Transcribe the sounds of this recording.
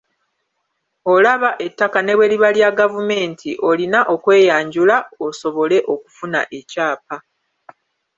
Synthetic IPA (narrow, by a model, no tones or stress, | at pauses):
o̞laβaʔe̞tːakane̞βwe̞liβaljaɡavume̞ːntʰiʔo̞linaʔo̞kwe̞ːjaːɲɟulaoso̞βo̞le̞ʔo̞ku̥funa̰ʔe̞caːpa